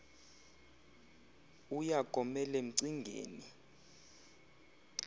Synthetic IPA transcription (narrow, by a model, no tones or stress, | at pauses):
ujaɡ̥ʱɔmɛlɛm̩ǀiŋɡʱḛːni